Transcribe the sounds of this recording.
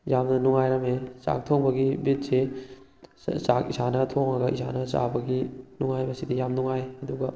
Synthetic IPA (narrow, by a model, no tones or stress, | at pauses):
jamnɐnuŋajɾɐmesa̰k̚tʰoŋbɐɡibit̚se | sa̰kisanɐtʰoŋɾɐɡɐʔisa̰nɐsa̰bɐɡinuŋajbɐsidijamnuŋajhɐduɡɐ